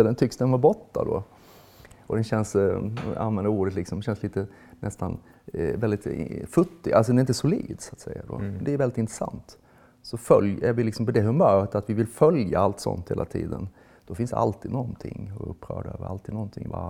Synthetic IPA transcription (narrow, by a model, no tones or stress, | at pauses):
lːənt̪ʰʏksd̪ɛnvabɔt̪ːa̰d̪o̰ | ɔd̪ɛnɕɛnsa̰nvɛnd̪əɾuːɖət̪lɪksɔmɕɛnsliːt̪ə | nʔɛst̪an | vɛlɪt̪fɵt̪ːɪɡalsɔd̪ɛnɾɪnt̪̬ːəsʊliːd̪sat̪sɛjːad̪o̰ːmɛnd̪ɛːɾvɛlːɪt̪ɪnt̪ɾəsa̰nt̪ | sɔfœljæɾvɪlɪksɔmpɔd̪ɛɦɵmœːɾət̪at̪vɪvɪlfœljaalt̪sɔ̰nt̪heːla̰t̪ʰḭːd̪ən | d̪̥ɔfɪnsd̪ɛʔa̰lt̪iːd̪nɔnt̪ʰɪ̰ŋːɵ̰pːɾœ̰ːɖø̰ːvəɾa̰lt̪iːd̪nɔnt̪ʰɪŋːva̰